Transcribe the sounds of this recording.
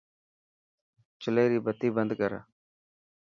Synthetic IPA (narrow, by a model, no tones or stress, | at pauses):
t͡ʃɪleːɾiːbət̪ːiːbənd̪kəɾa̰ː